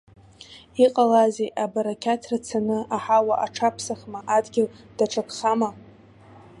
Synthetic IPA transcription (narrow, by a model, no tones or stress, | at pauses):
iqʼalazeʔabaɾakʲʰatʰrat͡sʰanɨaħawaʔaʈ͡ʂʰapʰsaχmaʔadɡʲɪld̥aʈ͡ʂʰakʰχama